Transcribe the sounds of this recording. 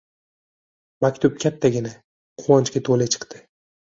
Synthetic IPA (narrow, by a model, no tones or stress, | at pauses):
makʲt̪ʰʊp̚kʲʰat̪ʰːaɡʲɪna | qʰʊwɒnt͡ʃkʲat̪ʰolɪt͡ʃʰɨ̥qt̪ɪ